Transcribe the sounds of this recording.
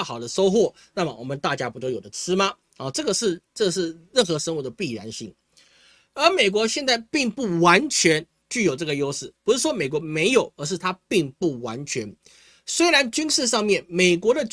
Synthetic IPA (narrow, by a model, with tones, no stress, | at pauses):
xɑ˨˩ʊd̪ə˦ʂo˥ʊxwɔ˥˩ | na˥˩mə˨˩wɔ̰˨˩mə˦nt̪a˥˧t͡ɕja˦˥pu˧˥t̪̬o˥ʊjo˨˩d̪ə˦t͡sʰɻ̩˥mɐ˨ | ɔ˨˩ʈ͡ʂɤ˥˩ɡə˩ʂɻ̩˥˧ʈ͡ʂɤ˥˩ɡə˩ʂ̬ɻ̩˥˧ɻə˥˩nxɤ˧˥˦ʂə˥ŋu˧˥˩d̪ə˧pi˥˩ɻa̰˧˥nɕḭ˥˩ŋ | ə˞˧˥me˨˩ɪk̬wɔ˧˦˥ɕjɛ˥˧nt͡sa˥˧ɪpi˥˧ŋpu˥˩wa˧˦˥nt͡ɕʰɥɛ˧˥n | t͡ɕy˥˩jo˨˩ʊʈ͡ʂɤ˥˩ɡə˩jo˥ʊʂɻ̩˥˩pu˥ʂɻ̩˥˩ʂwɔ˥me˨˩ɪk̬wɔ˧˥me˧˥ɪjo˨˩˦ʊə˞˧˥ʂ̬̩˥˩t̪ʰa˥pi˥˧ŋpu˥˩wa˧˦˥nt͡ɕʰɥɛ˧˥n | swe˥ɪɻa˧˦nt͡ɕy˥nʂɻ̩˥˧ʂɑ˥˧ŋmjɛ˥˩nme˨˩ɪkwɔ˧˥ɾə˨